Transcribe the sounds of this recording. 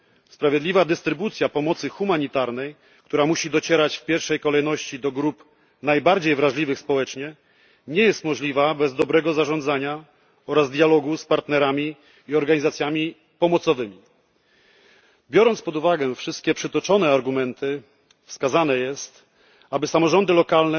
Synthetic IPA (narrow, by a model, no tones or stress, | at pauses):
spɾavʲjɛd̪lʲivad̪ɘst̪ɾɘbut̪sʲjapɔmɔt̪sɘxumaɲit̪aɾnɛj | k̚t̪uɾamuɕid̪ɔt͡ɕɛɾat͡ɕfpʲjɛɾfʂɛjkɔlɛjnɔɕt͡ɕid̪ɔɡɾup | najbaɾd͡ʑejvɾaʐlʲivɘxspɔwɛt͡ʂɲɛ | ɲɛjɛst̪mɔʐlʲivabɛzd̪ɔbɾɛɡɔzaʐɔnd̪zaɲa | ɔɾazd̪jalɔɡuspaɾt̪nɛɾamʲiː | ɔɾɡaɲizat̪sʲjamʲi | pɔmɔt̪sɔvɘmʲi | bʲjɔɾɔnt̪spɔd̪uvaɡɛfʂɘst̪̚kʲɛpʂɘt̪ɔt͡ʂɔnɛaɾɡumɛnt̪ɘ | fskazanɛjɛst̪ | abɘsamɔʐɔnd̪ɘlɔkalnɛ